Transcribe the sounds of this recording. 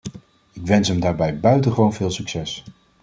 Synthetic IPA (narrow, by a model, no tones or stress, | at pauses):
ɪkʋɛnsɦəmdaːɹbɛjbœɥtəχəʋownvɪːlˠsyksɛs